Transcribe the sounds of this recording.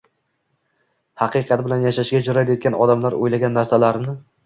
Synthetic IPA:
hɑqɨqʰɑt̪bɪlanjaʃaʃɡʲad͡ʒʊɾad̪et̪̚kʲanɒd̪amlaɾo̰jlaɡʲanːaɾsalaɾnɪ

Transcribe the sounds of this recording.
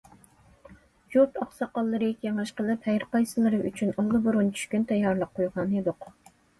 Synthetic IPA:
jut̪ɑχsɑqɑlˠːɨɾɨkʲʰeŋʃqəlˠɨphæjɾqɑjsɨlˠɨɾɨʔyt͡ʃʰynolˠːɨboɾʊnt͡ʃʰy̥ʃkʲynt̪ʰɛjːɑɾlˠəqʰːojʁɑned̪ʊq

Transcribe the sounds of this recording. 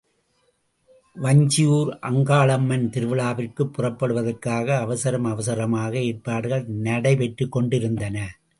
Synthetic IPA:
ʋɐɲd͡ʒɪjuːɾʔɐŋɡaːɭɐmːɐnt̪ɪɾɯʋɯɭaːʋɪrkɯpːʊrɐpːɐɽɯʋɐðɐrkaːɣɐːʋɐsɐɾɐmɐʋɐs̬ɐɾɐmaːɣɐeːrpːaːɽɯɣɐɭnɐɽɐɪʋɛʈrɯkːɔɳɖɪɾɯnd̪ɐnɐ

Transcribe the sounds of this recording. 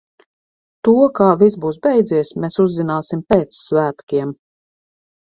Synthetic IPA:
t̪uɔkaːvisbuːs̬bɛjd̪ziɛsmesuzːinaːsimpeːt̪ssvæːt̪kʲiɛm

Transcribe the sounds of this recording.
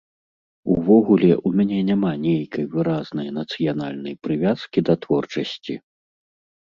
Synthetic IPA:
uvɔɣulʲɛʔumʲanʲɛnʲamanʲejkɐjvɨɾaznɐjɐnɐt̪sɨjanalʲnɐjpɾɨvʲaskʲid̪ɐt̪vɔrt͡ʂɐsʲt͡sʲi

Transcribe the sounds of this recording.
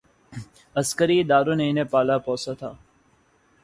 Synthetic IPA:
əskəɾiːd̪aːɾoːneineːpaːlaːpɔːsaːt̪ʰaː

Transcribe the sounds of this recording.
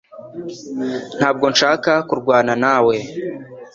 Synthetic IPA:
n̥haːb̚ɡo̞nʃaːkakuɾɡwaːnanaːwe̞

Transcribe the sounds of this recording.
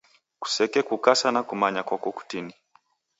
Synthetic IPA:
ku̥sɛkɛkukasanakumaɲakɔkɔku̥tini

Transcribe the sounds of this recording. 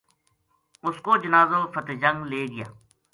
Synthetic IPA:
ʊskoːd͡ʒɪnaːzoːfʰət̪d͡ʒə̃ŋɡleːɡɪja̰ː

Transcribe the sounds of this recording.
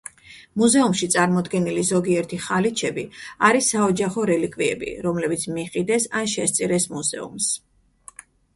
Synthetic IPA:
muzɛumʃit̪sʼaɾmɔd̪ɡɛnilizɔɡiɛɾt̪ʰiχalit͡ʃʰɛbiaɾisːaɔd͡ʒaχɔɾɛlikʼviɛ̰bḭɾɔmlɛbit̪sʰmiχʼid̪ɛsanʃɛst̪sʼiɾɛsmuzɛ̰ṵms

